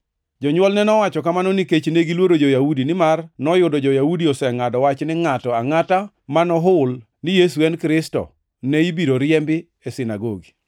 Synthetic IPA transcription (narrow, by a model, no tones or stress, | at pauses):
d͡ʒɔɲwɔlnɛnɔwat͡ʃɔkamanɔniket͡ʃneɡilwoɾod͡ʒojaudinɪmarnɔjʊdɔd͡ʒɔjaudiɔsɛŋadɔwat͡ʃnɪŋatɔaŋata | manɔɦʊl | nɪjesuɛnkɾɪstɔ̰ | nɛibiɾoɾjɛmbɪ | esɪnaɡoɡi